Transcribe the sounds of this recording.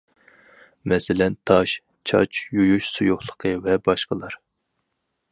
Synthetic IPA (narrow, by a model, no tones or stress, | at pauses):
mɛsɪlɛnt̪ʰɑʃ | t͡ʃʰɑ̰t͡ʃjujuʃsujoχlˠəqʰəvɛbɑʃqəlˠɑɾ